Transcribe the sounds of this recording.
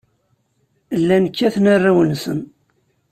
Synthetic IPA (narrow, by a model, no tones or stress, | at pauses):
lːænəkːæθnarːawənsəm